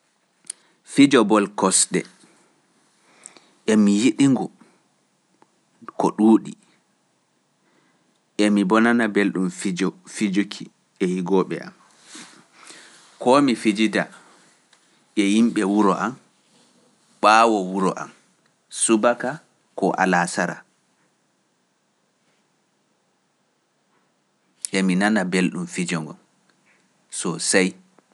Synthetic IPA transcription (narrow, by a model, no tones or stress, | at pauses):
fid͡ʒɔbɔlkɔsɗɛ̰ | ʔɛmijiɗiŋɡɔ | kɔɗuːɗi | ʔɛmibɔnanabelɗumfid͡ʒɔfid͡ʒukʰi | ɛjiɡɔɓɛ̰ʔa̰m | kɔmifid͡ʒida | ɛjimɓɛwuɾɔʔam | ɓawɔwuɾɔʔa̰m | subaka | kɔʔa̰lasaɾa̰ | ʔɛminanabelɗumfid͡ʒɔŋɡɔ̰n | sɔsaj